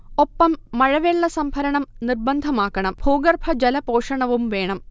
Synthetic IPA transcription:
o̞pːɐmːɐɻɐʋeɭːɐsɐmbʱɐɾɐɳɐmnirbɐnd̪ʱɐmaːkːɐɳɐmbʱuːɡɐrbʰʱɐd͡ʑɐlɐpo̞ːʂɐɳɐʋumʋe̞ːɳɐm

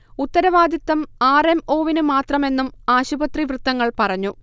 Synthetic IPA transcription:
ut̪ːɐɾɐʋaːd̪it̪ːɐmaːre̞mo̞ːʋinɨmaːt̪rɐme̞nːumaːɕubɐt̪riʋrɨt̪ːɐŋːɐɭpɐrɐɲːu

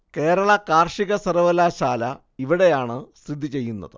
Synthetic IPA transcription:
ke̞ːɾɐɭɐkaːrʂiɣɐsɐrɐʋɐlaːɕaːlɐ | iʋiɽe̞jaːɳɨsrɨd̪ʱit͡ɕe̞jːunːɐ̰ðɨ

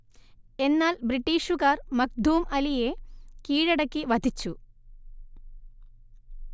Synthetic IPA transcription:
enːaːlbɾiʈːiːʂuɣaːrmɐk̚d̪ʱuːmɐlijekiːɻɐɽɐkːiʋɐd̪ʱit͡ɕːu

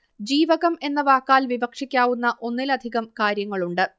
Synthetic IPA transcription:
d͡ʑiːʋɐɣɐme̞nːɐʋaːkːaːlʋibɐkʂikʲːaːʋunːɐʔo̞nːilɐd̪ʱiɣɐmkaːɾjɐŋːɐɭuɳɖɨ

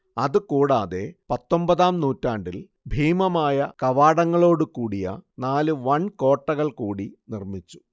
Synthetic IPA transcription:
ɐðɨkuːɽaːðe̞pɐt̪ːo̞mbɐðaːmnuːtːaːɳɖil | bʱiːmɐmaːjɐkɐʋaːɽɐŋːɐɭo̞ːɽɨkuːɽijɐ̰naːlɨʋɐnko̞ːʈːɐɣɐɭkuːɽinirmit͡ɕːu̥

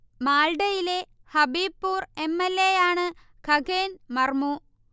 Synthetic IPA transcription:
maːlɖɐjile̞hɐbiːpːuːre̞mːelːejaːɳɨ | kʰɐɡeːnmɐrmu

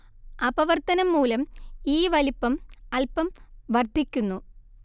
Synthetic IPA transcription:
ɐbɐʋɐrt̪ɐnɐmːuːlɐmiːʋɐlipːɐmɐlpɐmʋɐrd̪ʱikʲːunːu

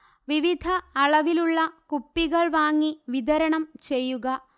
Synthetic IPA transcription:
ʋiʋid̪ʱɐːɭɐʋiluɭːɐkupːiɣɐɭʋaːŋːiʋid̪ɐɾɐɳɐmt͡ɕe̞jːuɣɐ

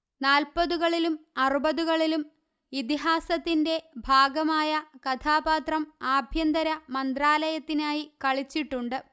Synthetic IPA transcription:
naːlpɐðuɣɐɭilumɐrubɐðuɣɐɭilum | it̪iɦaːsɐt̪ːinde̞bʱaːɡɐmaːjɐkɐt̪ʰaːbaːt̪rɐmaːbʱjɐnd̪ɐɾɐmɐnd̪raːlɐjɐt̪ːinaːjikɐɭit͡ɕːiʈːuɳɖɨ

